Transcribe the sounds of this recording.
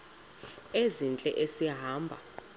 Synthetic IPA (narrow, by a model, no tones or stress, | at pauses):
ezint͡ɬʼɛʔesiɦaːmbʱa̰